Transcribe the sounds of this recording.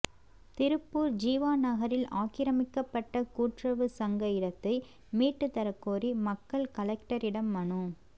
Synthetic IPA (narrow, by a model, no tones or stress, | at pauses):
t̪ɪɾɯpːuːɾd͡ʒiːʋaːnɐɣɐɾɪlaːkɪɾɐmɪkːɐpːɐʈːɐkuːʈrɐʋɯsɐŋɡɐjɪɽɐt̪ːɐɪ | miːʈːɯt̪ːɐɾɐkːoːɾimɐkːɐɭkɐlɛk̚ʈɐɾɪɽɐmːɐnu